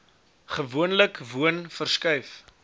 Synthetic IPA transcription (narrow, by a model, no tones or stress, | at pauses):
χəvuənləkvuənfərskœjf